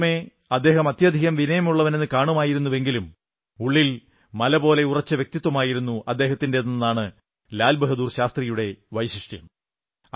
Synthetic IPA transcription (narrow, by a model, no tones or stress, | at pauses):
me̞ | ɐd̪ːe̞ːɦɐmɐt̪jɐd̪ʱiɣɐmʋinɐjɐmuɭːɐʋɐnenːɨkaːɳumaːjiɾunːuʋe̞ŋɡilum | uɭːil | mɐlɐbo̞ːle̞urɐt͡ɕːɐʋjek̚t̪it̪ːwɐmaːjiɾun̪ːuʔɐd̪ːe̞ːɦɐt̪ːindeninːaːɳɨ | laːlbɐɦɐd̪uːrɕaːst̪rijuɽe̞ʋɐjsiʂʈjɐ̰m